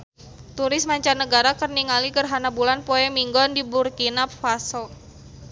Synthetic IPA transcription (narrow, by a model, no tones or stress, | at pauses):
t̪uɾɪsmaɲt͡ʃanəɡaɾakərniŋalikərɦanabulanpɔɛmiŋɡɔndiburkinapfasɔ